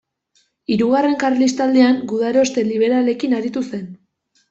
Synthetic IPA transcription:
iɾuɣare̞ŋkarlist̪ald̪eaŋɡuðaɾo̞st̪e̞liβ̞e̞ɾale̞kinaɾit̪use̞n

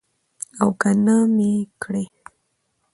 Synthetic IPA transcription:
awkanamekɽe

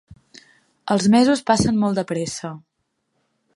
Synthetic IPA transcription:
əlˠzmɛzuspasənmɔlˠd̪əpɾɛsə

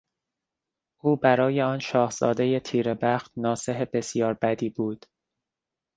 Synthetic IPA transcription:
ʔuːbæɾɒːje̞ɒːnʃɒːhz̥ɒ̰ːd̪e̞je̞t̪ʰiːɾe̞bæxt̪nɒːse̞ɦebe̞sjɒːɾbæd̪iːbuːd̪̥

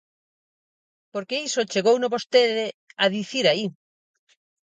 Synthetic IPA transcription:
poɾkeisot͡ʃeɣownoβost̪eðɪaðiθiɾai

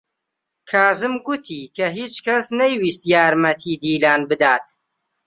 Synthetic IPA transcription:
kʰaːzɨmɡʊt̪ʰiːkʰɐɦiːt͡ʃkɐsnɐjwiːst̪jaːɾmɐt̪ʰiːd̪iːlaːnbɨd̪aːt̪

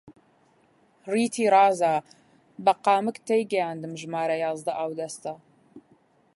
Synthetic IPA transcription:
riːtʰiːɾaːzaː | bɐqɑːmɨktʰejɡɐjaːndɨmʒmaːɾɐjaːzdɐʔaːwdɐstʰɐ

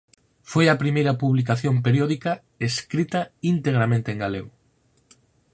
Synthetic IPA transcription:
fojɐpɾimejɾɐpuβlik̬aθjomp̬eɾjoðikɐ | eskɾit̪ɐint̪eɣ̞ɾamẽnt̪eŋɡaleo

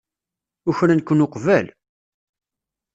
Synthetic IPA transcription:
ʊçɾænkʷːənʊqvæl

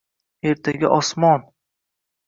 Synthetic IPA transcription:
e̞ɾt̪ʰaɡʲa̰ʔɒsmɒn

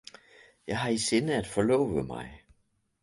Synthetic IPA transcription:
jɑ̈ɪɦɑ̈ise̝nəæd̥fɒ̽lɔ̰ːʊʋəmɑ̈ɪ

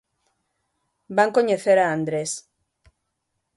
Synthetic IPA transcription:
baŋko̞ɲeθeɾaːnd̪ɾes

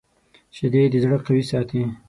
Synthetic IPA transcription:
t͡ʃed̪ed̪əzɽəqawisɑːt̪ʰi

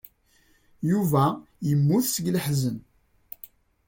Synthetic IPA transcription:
juvæ | jəmːuθsəɡlħzən

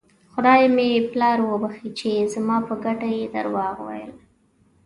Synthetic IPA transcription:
xʊd̪ɑjmeplɑɾwəbaxit͡ʃezmɑpəɡaʈajed̪a̰ɾwɑɣwa̰jə̰l

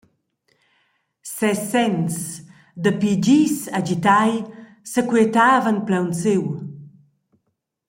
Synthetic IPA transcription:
sɛsɛns | d̪əpid͡ʑisad͡ʑit̪aj | səkwiet̪aːvənplawnt͡sew

